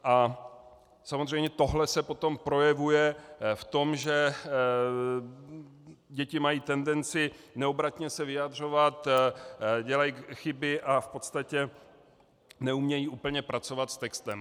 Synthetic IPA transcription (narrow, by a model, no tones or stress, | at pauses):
ʔa | samozr̝ɛjmɲɛt̪o̞ɦlɛsɛpo̞t̪o̞mpɾo̞jɛvujɛft̪o̞mʒɛ | ɟɛcɪmajiːt̪ɛndɛnt͡sɪnɛobɾat̪ɲɛsɛvɪjad̪r̝o̞vat̪ | ɟɛlajxɪbɪʔafpo̞t̪st̪acɛ | nɛumɲɛjiːʔuːpl̩ɲɛpɾat͡so̞vat̪st̪ɛkst̪ɛm